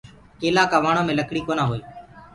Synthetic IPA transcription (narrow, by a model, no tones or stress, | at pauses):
keːlaːkaːʋaːɳ̃õːmẽːləkɽiːkoːnãːɦoːiː